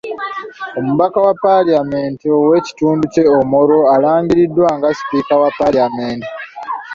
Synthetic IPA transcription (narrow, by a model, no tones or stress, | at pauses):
o̞muβakawapːaliameːntiowe̞ci̥tuːnduce̞omo̞ɾo̞alaːɲɟiɾidːwaŋɡasi̥piːkawapaliameːnti